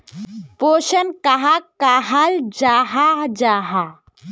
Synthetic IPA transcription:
poʃənkaɦakaɦald͡ʒaɦad͡ʒaɦa

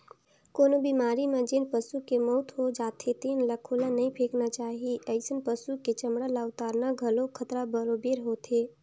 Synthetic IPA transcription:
koːnobimaːɾimed͡ʒinpəsukemɔʊt̪ɦod͡ʒaːt̪ʰet̪iːnləkʰoːlanəɦĩpʰeːknat͡ʃaːɦiʔəɪsənpəsuket͡ʃəmɽalaʊt̪aːɾnaɡʱəlokʰət̪ɾabəɾobeɾɦoːt̪ʰe

